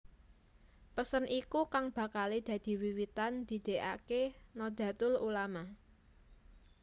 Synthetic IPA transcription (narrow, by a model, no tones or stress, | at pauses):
pəsənʔikukaŋb̥ä̤kaled̪̥ä̤d̪̥i̤wiwit̪and̪̥i̤d̪̥e̤ʔa̰kenɔd̪̥ä̤t̪ʊlulama